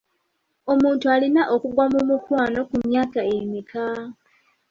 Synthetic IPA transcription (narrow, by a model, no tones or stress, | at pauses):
o̞muːntualinaʔo̞kuɡwamumukwaːno̞kumjaːkaemika